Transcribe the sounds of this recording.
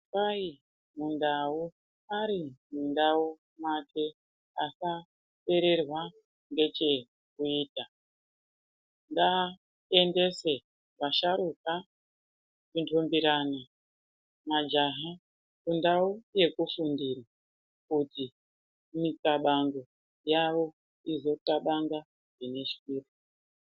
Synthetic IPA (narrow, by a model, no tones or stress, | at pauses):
pai | mundau | aɾimundau | makʰe̞ | asa | te̞ɾerwa | ŋɡe̞t͡ʃe̞ | kuiːta | nda | ende̞se̞ | βaʃaɾuka | kuntʰombiɾana | mad͡ʒaɦa | kundauje̞kufundira | kuti | mit͡saɓaŋɡo̞ | jaʋo̞ | izo̞taɓaŋɡa | ʐine̞ʃi̥kuːri